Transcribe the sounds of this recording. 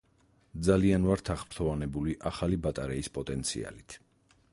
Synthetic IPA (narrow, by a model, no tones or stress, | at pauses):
d̪zalianvaɾt̪ʰaχpɾt̪ʰɔvanɛbuliʔaχalibat̪ʼaɾɛispʼɔt̪ʼɛnt̪sʰḭa̰lit̪ʰ